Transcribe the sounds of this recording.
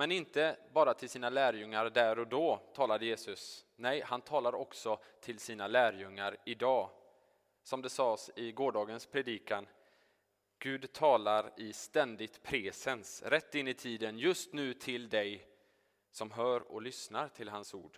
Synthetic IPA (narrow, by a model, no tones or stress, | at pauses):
mɛnɪnt̪əbɑːɾat̪ʰɪlsiːnalæːɾjɵŋːaɾɖ̪æɾɔd̪ɔːt̪ʰɑːlad̪əjeːsɵsnɛjhant̪ʰɑːlaɾɔksɔt̪ʰɪlsiːnalæːɾjɵŋːaɾɪd̪ɑː | sɔmd̪ɛsɑːsɪɡoːɖɑːɡənspʰɾɛd̪iːkan | ɡ̥ʉ̟ːd̪t̪ʰɑːlaɾɪst̪ɛnd̪ɪɡt̪pʰɾɛːsɛnsɾɛt̪ːɪnːɪt̪ʰiːd̪ənjɵst̪nʉ̟ːt̪ʰɪld̪ɛj | sɔmɦœːɾɔ̰lʏsnaɾʈʰɪlɦansṵːɖ̥